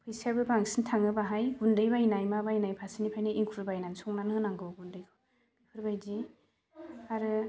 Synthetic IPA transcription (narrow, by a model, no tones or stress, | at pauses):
pʰɯjsabɯbaŋsintʰaŋɯbaɦajɡundɯjbajnajmabajnajpʰasinipʰajnaʔiŋkʰuɾbajnansɔŋnanɦɯnaŋɡɔɡundɯjʰɔ | kʰɯɾbajdi | aɾɯ